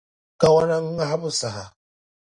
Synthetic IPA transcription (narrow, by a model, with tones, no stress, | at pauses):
ka˦wa˦na˦ŋ̩˦a˦ɦa˦bʊ˦sa˨ɦa˨